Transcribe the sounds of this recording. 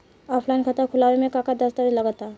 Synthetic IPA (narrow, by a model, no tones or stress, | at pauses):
apʰlaɪnkʰət̪akʰʊlaʋemẽkãkad̪əst̪aɾiləɡat̪a